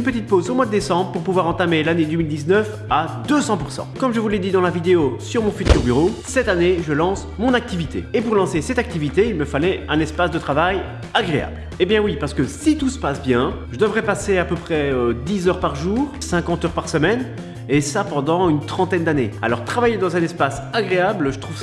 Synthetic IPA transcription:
ynpət̪it̪̚pozomwad̪əd̪esɑ̃bʁəpuʁpuvwaʁɑ̃t̪amelaned̪ømild̪iznəf | ad̪øsɑ̃puʁsɑ̰̃kɔmʒəvulɛd̪id̪ɑ̃lavid̪eosyʁmɔ̃fyt̪yʁbyʁosɛt̪aneʒəlɑ̃s | mɔ̃nak̚t̪ivit̪ʰḛːpuʁlɑ̃sesɛt̪ak̚t̪ivit̪eilməfalɛɛ̃nɛspasd̪ət̪χavaj | aɡʁea̰bl | ebjɛ̃wipaʁsə̥kəsit̪usə̥pasbjɛ̃ʒəd̪əvʁɛpaseapøpχɛød̪izœʁpaʁʒuːʁsɛ̃kɑ̃t̪œʁpaʁsəmɛn | esapɑ̃d̪ɑ̃ynt̪χɑ̃t̪ɛnd̪anea̰lɔʁt̪χavajed̪ɑ̃zɛ̃nɛspas | aɡʁeablʒət̪χuv

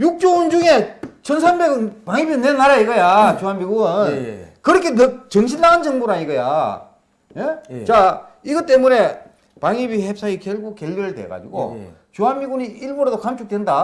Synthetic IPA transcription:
juk̚t͡ɕ͈ound͡ʑuŋe̞t͡ɕʰʌnsʰambe̞ɡɯnpaŋibinenːaɾaiɡʌjat͡ɕoɦanmiɡuɯnkɯɾʌkʰe̞nɯt͡ɕʌŋɕ̬ʰinːaɡɯnd͡ʑʌŋboɾaiɡʌja̰ | jet͡ɕa | iɡʌt͈e̞mune̞ | paŋibihep̚s͈aŋikjʌɭɡuk̚k͈elːiɾɯɭdwe̞̰ɡa̰d͡ʑiɡo̰ | t͡ɕoɦanmiɡuniiɭboɾodokamt͡ɕʰuk̚t͈wenda

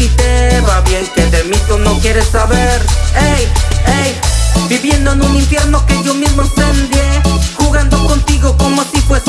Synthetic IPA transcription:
it̪eβaβjeŋkeðemĩt̪unɐ̃w̃kɛɾesːaβeɾejejbiβjẽnd̪onũnĩɱfjɛɾnokeomezmosẽnd̪iehuɣãnd̪okõnt̪iɣokomot̪ipoe

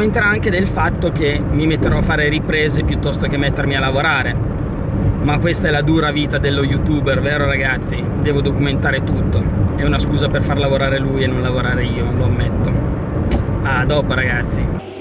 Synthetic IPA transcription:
ment̪eɾaaŋk̟ed̪elfat̪ːok̟emːimet̪ːeɾɔafːaːɾeɾipɾeːzepjut̪ːɔst̪okemːɛt̪ːermialːavoɾaːɾe | makwest̪aɛlad̪uːɾaviːt̪ad̪elːojut̪uːberveːɾoɾaɡat̪sːi | d̪ɛːvod̪okument̪aːɾet̪ut̪ːoɛunaskuːzaperfarlavoɾaːɾeluːjenːonlavoɾaːɾeiːononloamːet̪ːo | ad̪ɔːpoɾaɡat̪sːi

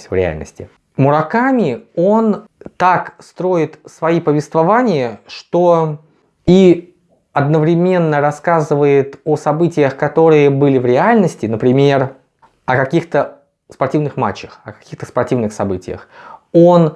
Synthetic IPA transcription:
sʲvɾʲɪ̰a̰lʲnə̰sʲtʲɪ | mʊɾɐkamʲɪo̞nt̪akst̪ɾo̞ɪt̪svɐipəvʲɪst̪vɐvanʲɪjəʂt̪o̞ | i | ɐd̪nəvɾʲɪmʲe̞nːəɾɐskazɨvəjɪt̪osɐbɨtʲɪjəxkɐt̪o̞ɾɨjəbɨlʲɪvɾʲɪalʲnəsʲtʲɪnəpɾʲɪmʲe̞r | ɐkɐkʲixt̪ə | spɐrtʲivnɨxma̰t͡ɕːəxɐkɐ̥kʲixt̪əspɐrtʲivnɨxsɐbɨtʲɪ̰jə̰xo̞n

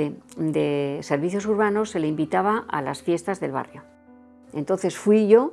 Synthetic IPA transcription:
ed̪ese̞ɾβiθjo̞s̬uɾβ̞ano̞sːe̞leimbit̪aβ̞aʔa̰la̰sfje̞st̪azðe̞̰lβa̰rjo̞ | e̞nt̪o̞nθe̞sfwiʝo̞

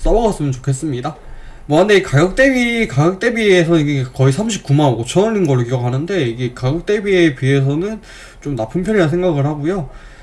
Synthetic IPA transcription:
s͈ʌbʌɡas͈ɯmjʌnt͡ɕokʰe̞s͈ɯmɲida | mʌɦande̞ikaɡjʌk̚t͈e̞bikaɡjʌk̚t͈e̞biesʰʌniɡekʌisʰamɕʰip̚k͈umanoɡot͡ɕʰʌnʌɭːinɡʌɭːokiɡʌkʰanɯnde̞iɡekaɡʌk̚t͈e̞biepie̞s̬ʰʌnɯn | t͡ɕomnapʰɯnpʰjʌɲiansʰe̞ŋɡaɡɯɭhaɡojo

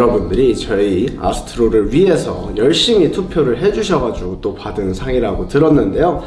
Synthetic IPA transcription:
ɾʌbundɯɾit͡ɕʌia̰sʰɯ̥tʰɯɾoɾɯɭɥiɦe̞sʰʌ̰jʌɭɕ͈imitʰupʰjoɾɯɭɦe̞d͡ʑuɕʰʌɡad͡ʑuɡot͈opadɯnsʰaŋiɾaɡotɯɾʌnːɯnde̞jo

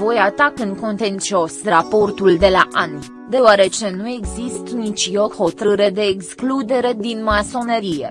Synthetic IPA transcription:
vo̞jat̪akɨnko̞nt̪e̞nt͡ʃio̞sɾapo̞rt̪uld̪e̞laʔanu | d̪e̞oaɾe̞t͡ʃe̞nue̞ɡzist̪nit͡ʃjo̞rho̞t̪ɾɨɾe̞d̪e̞ːksklud̪e̞ɾe̞d̪inmaso̞neɾijḛ

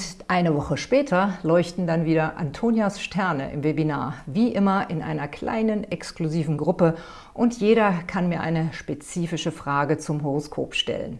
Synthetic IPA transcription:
ʔaɪnəvɔχəʃpɛːtʰɐlɔʏçtn̩danviːdɐʔa̰ntʰoːnjasʃtʰɛɐnə̰ʔɪ̰mvebinaːɐviːʔɪmɐʔɪnʔa̰ɪnɐkl̥a̰ɪnənɛkskluziːvn̩ɡʁʊpə | ʔʊntʰjeːɾɐkʰanmiːɐʔa̰ɪnəʃpet͡siːfɪʃəfʁ̥aːɡət͡sʊmɦoʁ̞oskʰo̰ːpʃtɛ̰lə̰n

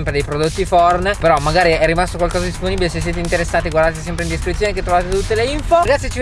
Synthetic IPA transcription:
mpɾed̪ejpɾod̪ot̪ːifɔrnpeɾɔmaɡaːɾiɛrːimast̪okwalkɔːzad̪isponiːbileses̬ːjeːt̪eint̪eɾesːaːt̪iɡward̪at̪t͡ʃis̬ɛmpɾeind̪iskɾit̪sjoːneket̪ːɾovat̪et̪ut̪ːeleiɱfoɡat̪ːit͡ʃi

